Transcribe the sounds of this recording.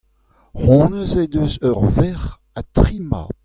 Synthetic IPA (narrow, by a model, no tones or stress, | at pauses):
hɔ̃ːnəzed̪øzœʁvɛʁ | at̪ʁima̰